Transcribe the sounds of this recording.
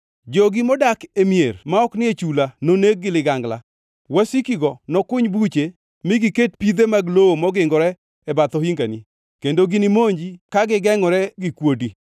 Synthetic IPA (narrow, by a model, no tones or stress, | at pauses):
d͡ʒɔɡɪmɔdakemijermaɔknɪet͡ʃulanoneɡ̚ːɪlɪɡaŋɡla̰ | wasikiɡɔnɔkʊɲbut͡ʃe | mɪɡiket̚pid̪emaɡlowomɔɡɪŋɡɔɾɛ | ɛbat̪ɔhiŋɡani | kendoɡɪnɪmoɲd͡ʒikaɡɪɡɛŋɔɾɛɡɪkwodi